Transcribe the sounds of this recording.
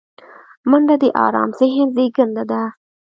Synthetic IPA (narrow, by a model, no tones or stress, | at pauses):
məɳɖad̪eʔɑ̰ːɾɑ̰ːmseɦenzeɡənd̪ad̪a